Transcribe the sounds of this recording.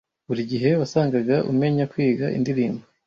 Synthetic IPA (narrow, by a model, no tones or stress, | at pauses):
βuɾiɟiɦe̞βasaːŋɡaɡaʔṵmŋe̞ɲakwiːɡaʔḭndiɾiːmbo